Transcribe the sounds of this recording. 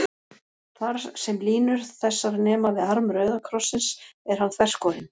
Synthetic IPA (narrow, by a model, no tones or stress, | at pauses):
θaɾ̥sɛmliːnʏɾ̥θɛsːaɾnɛːmavɪðaɾmɾœːɥðakʰɾɔsːɪnsɛɾ̥hanːθvɛr̥skɔːɾɪn